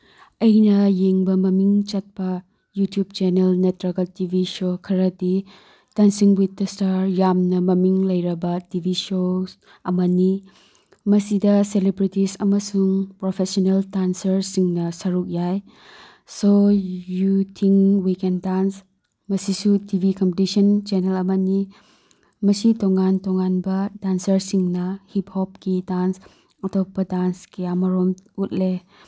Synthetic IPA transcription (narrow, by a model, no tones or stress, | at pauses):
ɐjnɐjeŋbɐmɐmiŋt͡ʃɐt̚pɐ | jutijub̚t͡ʃenelnetɾɐɡɐtibʱisokʰɐɾɐdi | tɐnsiŋwitːɐstaɾjamnɐmɐmiŋlɐjɾɐbɐtibʱisos | ɐmɐni | mɐsidɐselibɾitisɐmɐsuŋpɾopʰesoneltansɐɾsiŋnɐsɐɾuk̚jaj | sojutʰiŋwikendans | mɐsisutibʱikɐmpetisɐnt͡ʃenelɐmɐni | mɐsitoŋantoŋanbɐdansɐɾsiŋnɐhip̚hɔp̚kidans | ɐtopɐdanskijamɐɾomut̚le